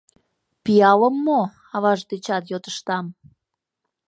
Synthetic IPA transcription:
pijɑləmːo | ɑβɑʒd̪et͡ɕɑt̪jot̪ə̥ʃt̪ɑm

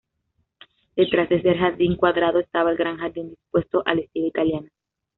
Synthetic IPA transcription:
d̪e̞t̪ɾazd̪e̞se̞ɾxaɾðiŋkwaðɾaðoest̪aβaelɡɾaŋxaɾðind̪ispwe̞st̪oʔalest̪ilait̪aljana

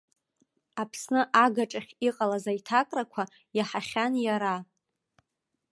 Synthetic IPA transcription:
apʰsnɨʔaɡaʈ͡ʂʼaχʲiqʼalazajtʰakʼrakʷʰa | jaħaχʲanjaɾa

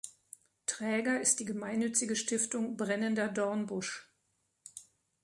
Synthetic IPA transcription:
tʁ̥ɛːɡɐɪst̚d̥iːɡəmaɪnːʏt͡sɪɡəʃtɪftʊŋbʁɛnəndɐdɔɐnbʊʃ

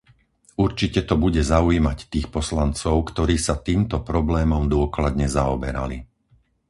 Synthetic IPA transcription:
uɾt͡ʃicɛt̪ɔbuɟɛzauimact̪iːxpɔslant͡sɔʊkt̪ɔɾiːsat̪iːmt̪ɔpɾɔblɛːmɔmd̪ʊɔklad̪ɲɛzaɔbɛɾa̰li

